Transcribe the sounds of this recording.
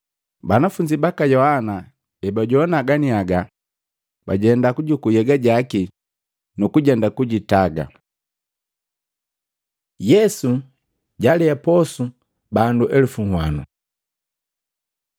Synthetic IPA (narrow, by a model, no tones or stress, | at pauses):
banafuɲd͡ʒibakajɔhana | ɛbaɟɔnaɡaniaɡa | baɟɛndakuɟukujɛɡaɟaki | nukuɟɛndakuɟitaɡa̰ | jɛsu | ɟalɛapɔsu | banduʔɛlufuŋhwanṵ